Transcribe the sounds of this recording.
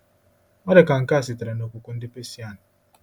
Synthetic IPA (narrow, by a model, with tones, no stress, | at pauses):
ɔ˦dɪ˨ka˨ŋ̩˨ka˦˨sɪ˨tɪ˨ɾe˨no˨kʷʊ˨kʷʊ˦n̩˦dɪ˦pe˦si˦a˦˨na˨